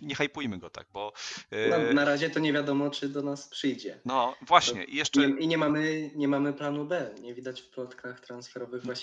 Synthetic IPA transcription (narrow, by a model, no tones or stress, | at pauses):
ɲɛxajpujmɘɡɔt̪a̰ɡ̥̚bɔnanaɾaʑɛt̪ɔɲɛvʲjad̪ɔmɔt͡ʂɘd̪ɔnaspʂɘjd͡ʑɛnɔvwaɕɲɛ̰ʔijɛʂt͡ʂɛɛiɲɛmamɘɲɛmamɘplanubɛɲɛvʲid̪at͡ɕfplɔt̪kʰaxt̪ɾansfɛɾɔvɘɣvwa